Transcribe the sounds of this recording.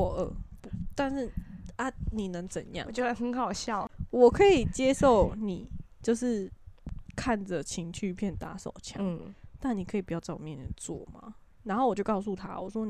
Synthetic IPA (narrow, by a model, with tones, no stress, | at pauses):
ə˨˩pu˦t̪a˥˧nʂɻ̩˥˩a˧˦ni˨˩nə˧˦ŋt͡sə̰˨˩njɑ̰˥˨ŋ˨t͡ɕjo˥˧ə˧˩xə˧˦nxɑ˨˩ʊɕjɑ˥˨ʊwɔ˨˩kʰɤ˧˥i˨˩t͡ɕjɛ˦˥ʂo˥˩ʊni˨˩t͡ɕjo˥˧ʊʂɻ̩˥˩ | kʰa˥˩nd͡zə˨˩t͡ɕʰi˧˥ŋt͡ɕʰy˥˧pʰjɛ˥˩nt̪a˧˥so̰˨˩ʊt͡ɕʰjɑ̰˧˦ŋt̪a˥˩ni˨˩kʰɤ˧˥i˨pu˩jʊt͡sa˥˩ɪwmjɛ˥˨nʰjɛ̰˥˩nt͡swɔ̰˥˩ma̰˩˦ | na˧nxo˥˩wɔ˨˩t͡ɕjo˥˧ʊkɑ˥˧ʊsu˥˧t̪ʰa̰˦wɔ̰˨˩ʂwɔ˦n˨